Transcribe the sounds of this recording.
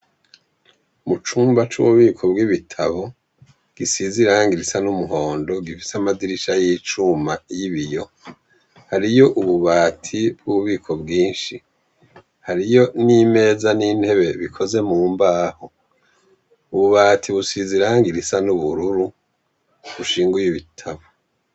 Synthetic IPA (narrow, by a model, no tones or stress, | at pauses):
mut͡ʃuːmbat͡ʃṵβuβiːkʰo̞b̚ɡiβitʰaβo̞ | ɡ̥isiziɾaŋɡiɾisanumuɦo̞ːndo̞ɡifi̥samaziɾiʃajit͡ʃumajiβijo̞ | haɾijo̞ʔuβuβaːtʰibɡuβuβiːkʰo̞bɡiːnʃi | haɾijo̞nime̞ːzaniːn̥he̞βe̞βikʰo̞ze̞muːmbaːho | uβuβaːtʰiβusiziɾaŋɡiɾisanuβuɾuɾu | βuʃiːŋɡujiβitʰaβo